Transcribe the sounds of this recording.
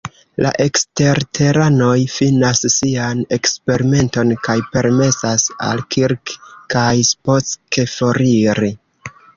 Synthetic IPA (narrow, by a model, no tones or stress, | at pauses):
la̰ʔe̞kste̞ɾtʰe̞ɾano̞jfinasːiane̞kspe̞ɾime̞nto̞nkajpe̞ɾme̞sasa̰lkiɾkkajsposke̞foɾiɾi